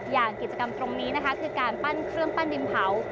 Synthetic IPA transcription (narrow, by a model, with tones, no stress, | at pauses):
jaː˨˩ŋki˨˩t͡ɕa˧ka˧mt̪ɾo˧ŋniː˦˥na˦˥kʰkʰɯː˧kaː˧npa˥˩nkʰɾɯ˥˩əŋpa˥˩ndi˧mpʰa˩˦w